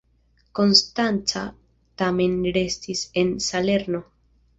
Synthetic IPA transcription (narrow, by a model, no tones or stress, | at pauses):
ko̞nstant͡sa | tame̞nɾe̞stise̞nsale̞ɾno̞